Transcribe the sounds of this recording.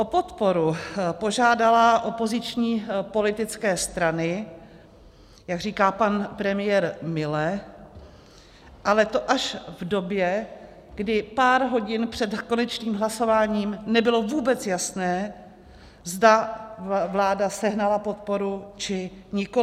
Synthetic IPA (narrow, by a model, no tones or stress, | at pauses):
ʔopot̪po̞ɾupo̞ʒaːdalaʔo̞po̞zɪt͡ʃɲiːpo̞lɪt̪ɪt͡skɛːst̪ɾanɪ | jaɡr̝iːkaːpanpɾɛmɪjɛɾmɪlɛ | ʔalɛt̪o̞ʔaʃvdo̞bjɛ | ɡdɪpaːɾɦo̞ɟɪnpr̝̥ɛd̪ko̞nɛt͡ʃniːmɦlaso̞vaːɲiːmnɛbɪlo̞vuːbɛt͡sjasnɛː | zda | vlaːdasɛɦnalapo̞t̪̚po̞ɾut͡ʃɪɲɪko